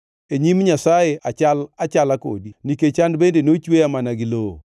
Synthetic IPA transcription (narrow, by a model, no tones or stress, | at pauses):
eɲimɲasajeʔat͡ʃalat͡ʃalako̰diniket͡ʃandbendenot͡ʃweamanaɡɪlo̰